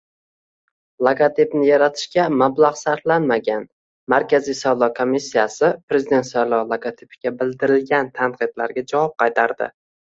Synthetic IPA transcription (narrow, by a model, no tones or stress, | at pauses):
lˠaɡat̪ʰipnɪjaɾat̪ʰɪ̥ʃkʲamablˠaʁsaɾflanmaɡʲan | maɾkʲʰazisavlˠɒkʰomisːijasɪpɾe̞zɪd̪e̞nt̪salˠɒlˠaɡot̪ʰipɪɡʲabɪld̪ɪɾɪlɡʲant̪ʰanqʰɨd̪la̰ɾɡʲad͡ʒavɒp̚qʰɑjt̪ʰaɾd̪ɪ̰